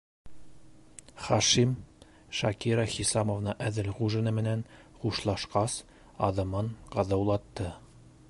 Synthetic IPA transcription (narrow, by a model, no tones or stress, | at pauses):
χɑʃim | ʃɑkiɾɑχisɑmovnɤʔæðɘlʁuʒɘ̆nɘmɘ̆næn | χuʃlˠɑʃqɑs | ɑ̰ðɤ̆mɤɴqɑðɑwlˠɑt̪ːɤ